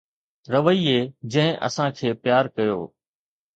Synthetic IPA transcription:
ɾɐʋəieːd͡ʑɐ̃ɦɪ̃ʔɐ̰sãkʰeːpjaːɾkɐjo̰ː

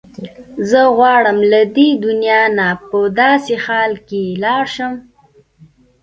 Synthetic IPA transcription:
zəɣwɑɽəmlad̪ed̪ʊnjɑnapəd̪ɑsexɑlkelɑɾʃəm

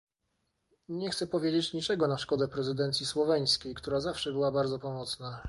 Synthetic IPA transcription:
ɲɛxt̪sɛpɔvʲjed͡ʑet͡ɕɲit͡ʂɛɡɔnaʂkɔd̪ɛpɾɛzɘd̪ɛnt̪sʲjiswɔvɛj̃skʲejkt̪uɾazafʂɛbɘwabaɾd̪zɔpɔmɔt̪sna

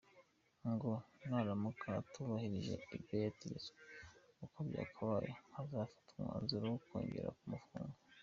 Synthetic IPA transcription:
ŋɡonaɾamukʰatuβahiɾiʒe̞̰ibjojatis | ukobɟa̰ːkʰaβajḛhazaːfi̥tumŋwa̰ːnziɾowokweːɲɟḛɾa̰kumufuːŋɡo

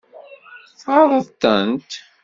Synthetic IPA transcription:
θɑðˤəðˤt̪ːənt̪

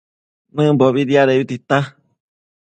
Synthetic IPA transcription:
nɨ̃boβiɾiaɾeβit̪it̪a

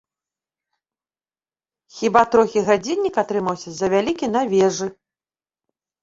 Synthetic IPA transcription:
xʲibat̪ɾɔxʲiɣad͡zʲinʲːikat̪ɾɨmɐwsʲɐzɐvʲalʲikʲinɐvʲɛʐɨ

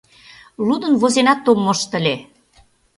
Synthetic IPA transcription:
lud̪ə̆nβozenɑt̪ːomːɤ̆ʃt̪ə̆lʲe

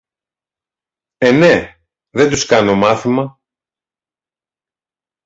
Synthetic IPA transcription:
ene̞ | ðe̞nd̪uskɐno̞mɐθimɐ

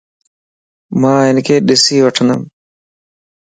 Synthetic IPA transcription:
mãːɦɪnkʰeːɗɪsiːʋəʈʰənd̪əm

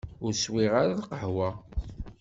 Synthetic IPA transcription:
ʊɾswiʁaɾalqəħwa

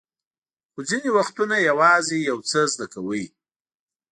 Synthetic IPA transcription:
xod͡zinewaxt̪unajawɑzejawt͡səzd̪akawəj

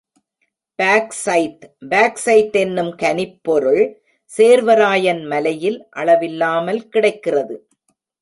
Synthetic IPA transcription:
b̥aːksɐɪtbaːksɐɪt̪ːɛnːɯmkɐnɪpːɔɾɯɭ | seːɾʋɐɾaːjɐnmɐlɐjɪlʔɐɭɐʋɪlːaːmɐlkɪɽɐɪkːɪrɐðɯ

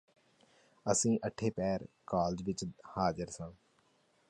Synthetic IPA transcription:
əsĩːʔəʈʰːeːpɛːɾkaːld͡ʒʋɪt͡ʃhaːd͡ʒəɾsãː

